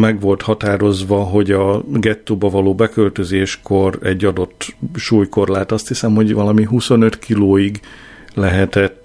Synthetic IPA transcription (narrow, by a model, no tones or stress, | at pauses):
mɛɡʋo̞lt̪hɒt̪aːɾo̞zʋɒɦo̞ɟɒɡɛt̪ːoːbɒvɒloːbɛkølt̪øzeːʃko̞ɾɛɟːɒd̪o̞t̪ːʃuːjko̞rlaːt̪ɒst̪hisɛmho̞ɟvɒlɒmiɦuso̞nøt̪kiloːjiɡ | lɛɦɛt̪ɛt̪ː